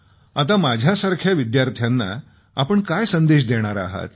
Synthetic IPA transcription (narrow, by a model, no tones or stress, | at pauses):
at̪̬amad͡ʑʱjasaɾkʰjaʋid̪jaɾt̪ʰjanːa̰ | apəɳkajsənd̪eɕ̬d̪eɽ̃aɾa̰ɦa̰t̪